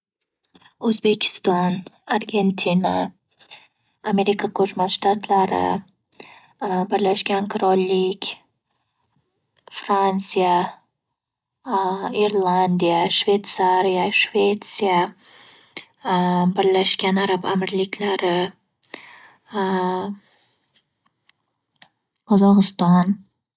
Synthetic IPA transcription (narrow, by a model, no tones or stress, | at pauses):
ɵzbe̞kʲʰɪ̥st̪ɒnaɾɡʲe̞nt̪ʰina | ame̞ɾikʰakʰɵt͡ʃmanʃt̪at̪ʰlaɾɪ̰ | bɪɾlaʃɡʲankʰʊɾɒlːɪkʲ | fɾansija | iɾlˠand̪ijaʃve̞t̪saɾijaʃvet̪sija | bɪɾlaʃkʲanaɾabamɪɾlɪkʲʰlaɾɪ | qʰɒzɒʁɨst̪ɒn